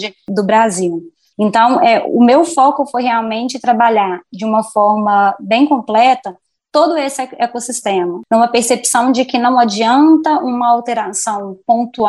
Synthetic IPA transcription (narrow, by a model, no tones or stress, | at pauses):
d͡ʒɪd̪ʊbɾaziw | ẽnt̪ɐ̃w̃ʔɛʊ̰mewfɔkʊfojɦeawmẽnt͡ʃɪt̪ɾabaʎaɾd͡ʒɪũmɐfɔɾmɐbẽj̃kõmplɛt̪ɐ | t̪od̪ʊesɪekosist̪ẽmɐũmɐpeɾsepsɐ̃w̃d͡ʒɪkɪnɐ̃w̃ad͡ʒiɐ̃nt̪ɐʔũmɐawt̪eɾasɐ̃w̃põnt̪u